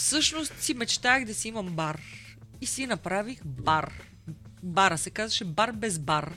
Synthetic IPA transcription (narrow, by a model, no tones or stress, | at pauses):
fsɤʃnost̪simɛt͡ʃt̪aɣd̪ɐsiimɐmbaɾ | isinɐpɾavixbaɾ | baɾəsɛkazvɐʃɛbaɾbɛzbaɾ